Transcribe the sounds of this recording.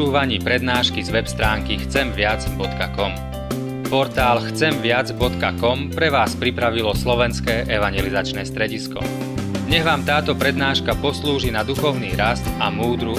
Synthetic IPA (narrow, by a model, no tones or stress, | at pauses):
uːʋaɲiːpɾɛd̪naːʃkizʋɛpst̪ɾaːŋkixt͡sɛmʋɪad͡zbɔt̪kakɔm | pɔɾt̪aːlxt͡sɛmʋɪad͡zbɔt̪kakɔmpɾɛʋaːspɾipɾaʋilɔslɔʋɛnskɛːʔɛʋaɲjɛlizat͡ʃnɛːst̪ɾɛɟiskɔ̰ | ɲɛɣʋaːmt̪aːt̪ɔpɾɛd̪naːʃkapɔsluːʒinad̪uxɔʊniːɾast̪amuːd̪ɾu